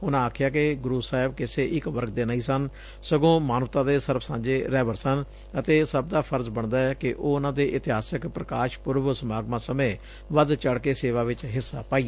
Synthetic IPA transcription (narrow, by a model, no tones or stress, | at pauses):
ʊnãːaːkʰjaːk̬ɪɡɾuːsaːɦɪb̚kɪseːʔɪkʋəɾk̚ʰd̪eːnaĩːsən | səɡõːmaːnʋt̪ãːd̪eːsəɾpʰsãːnd͡ʒeːɾɛːʋəɾsən | ət̪eːsəb̚d̪aːpʰəɾd͡ʒbəɳd̪aːɛːkɪʔoːʊnãːd̪eːʔɪt̪ɪɦaːsəkpɾəkaːʃpʊɾʋəsəmaːɡmãːsəmẽː | ʋəd̪t͡ʃəɽkeːseːʋaːʋɪt͡ʃɦɪsːaːpaːi